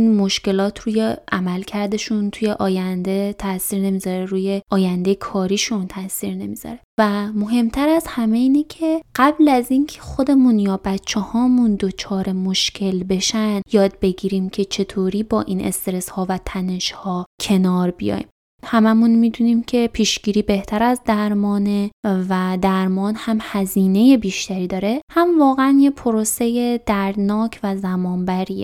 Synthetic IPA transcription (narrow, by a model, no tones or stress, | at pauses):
inmo̞ʃce̞lɒːt̪ʰɾuːje̞ʔæmælcʰæɾd̪e̞ʃunt̪ʰuje̞ʔɒːjænd̪e̞t̪ʰæsiːɾne̞miːzɒɾeɾuːje̞ʔɒːjænd̪e̞jkʰɒːɾiːʃunt̪ʰæsiːɾne̞miːz̥ɒ̰ɾe̞væmo̞ɦe̞mt̪ʰæɾæzhæme̞iːnecʰe̞ɢ̥æblæziːncʰe̞xo̞d̪e̞munjɒːbæt̪t͡ʃʰːehɒːmund̪o̞t͡ʃʰɒːɾe̞mo̞ʃcʰe̞lbe̞ʃænd̪jɒːd̪̚be̞ɡiːɾiːmcʲʰe̞t͡ʃʰe̞t̪ʰoːɾiːbɒːʔinʔe̞̰st̪eɾeshɒːvæt̪ʰæne̞ʃhɒːcʰe̞nɒːɾbḭjɒ̰jm | hæmæmunmiːd̪uːniːmcʰe̞pʰiːʃɟ̥iːɾiːbe̞ht̪ʰæɾæzd̪æɾmɒːnevæd̪æɾmɒːnhæmhæziːne̞je̞biːʃt̪ʰæɾiːd̪ɒːɾehæmvɒːɣeænjepʰoɾose̞je̞d̪̥æɾd̪nɒːcʰvæzæmɒːnbæɾiːḛ